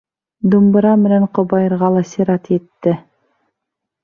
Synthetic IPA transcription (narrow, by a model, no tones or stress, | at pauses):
d̪umbɤ̆ɾɑmɘ̆næɴqŏbɑjɤ̆ɾʁɑlˠɑsiɾɑt̪jɘ̆t̪ːɘ